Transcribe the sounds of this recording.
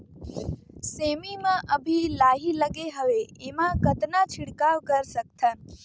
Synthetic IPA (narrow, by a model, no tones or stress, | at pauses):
seːmimãʔəbʱilaːɦiləɡeɦəʋeemãkət̪nat͡ʃʰɪɽkaːʋkəɾsək̚t̪ʰən